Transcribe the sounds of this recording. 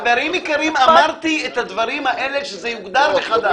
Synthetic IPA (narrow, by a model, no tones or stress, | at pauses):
veaɾimikaɾimamaʁt̪iet̪had̪vaɾimhaʔeleʃezɛjuɡd̪aʁveχad̪a